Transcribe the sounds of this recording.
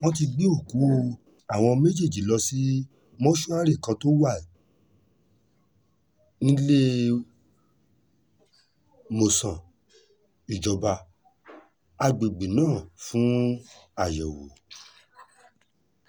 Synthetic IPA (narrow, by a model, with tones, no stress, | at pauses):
wɔ̃˦t̬i˧ɡ͡bi˦o˦˨ku˨˦˧ | a˨w̃ɔ̃˧me˦d͡ʒe˦˨d͡ʒi˨˦lɔ˧si˦ | mɔ̃˦ʃu˦a˦ɾi˦˨kã˧to˦wa˦˨ | nĩ˦le˦ | mo˨sã˨ | i˨d͡ʒɔ˨ba˧ | a˧ɡ͡be˨ɡ͡be˨nãː˦˨fũ˨˦a˦˨jɛ˨wo̰˨